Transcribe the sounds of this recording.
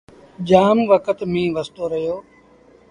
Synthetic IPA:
d͡ʒaːmʋəkət̪mĩːʋəst̪oːɾəɦjoː

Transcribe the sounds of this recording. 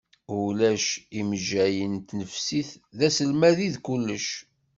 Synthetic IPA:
ʊlæʃimʒːæjənt̪nəfsiθðæsəlmæðiðkʊlːəʃ

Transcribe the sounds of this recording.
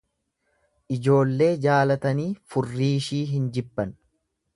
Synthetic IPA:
ʔɪd͡ʒo̞ːlːe̞ːd͡ʒaːlɐt̪ɐniːfʊrːiːʃiːɦɪnd͡ʒɪbːɐn

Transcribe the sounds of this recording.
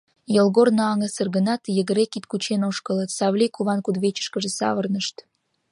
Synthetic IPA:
jəlɣornɑɑŋəsərɣənɑt̪jəɣəɾekit̪kut͡ɕenoʃkələt̪sɑβlʲikuβɑnkud̪βet͡ɕə̥ʃkəʒĕsɑ̰βərnəʃt̪

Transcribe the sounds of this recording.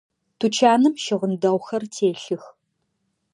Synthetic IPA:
tʰut͡ʃʰaːnɨmʃɪʁəndɐʁʷxɐrtʰeːɬɨx

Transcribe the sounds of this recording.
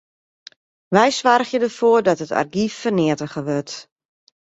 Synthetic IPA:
ʋɛjsʋarxjədərfoːərdɔtəta̰rɡifːərnɪətəɣəʋøt

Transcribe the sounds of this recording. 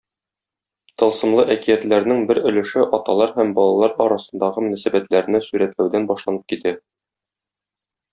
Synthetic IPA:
t̪ɤ̆lˠsɤ̆mlˠɤʔækijæt̪læɾnɘŋbɘɾɵ̆lɘ̆ʃɘʔɒt̪ɑlˠɑɾhæmbɒlˠɑlˠɑɾɒɾɑsɤ̆nd̪ɑʁɤmɵ̆næsæbæt̪læɾɘ̆næsʉɾæt̪læwd̪ænbɒʃlˠɑnɤp̚kit̪æ

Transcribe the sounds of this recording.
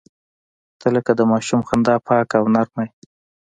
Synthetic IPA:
t̪ʰələkad̪əmɑʃumxand̪ɑpʰɑkawnaɾmaj

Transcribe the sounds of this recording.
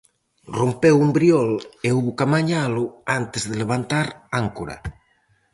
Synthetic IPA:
rompewumbɾiɔleuβukamaɲalʊant̪ezðeleβ̞ant̪aɾaŋkuɾa̰

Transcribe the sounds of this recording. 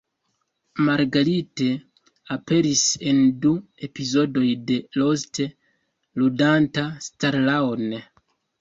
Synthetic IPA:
maɾɡaɾite̞ | ape̞ɾise̞ndue̞pizo̞do̞jde̞lo̞ste | ludantastaɾlawne

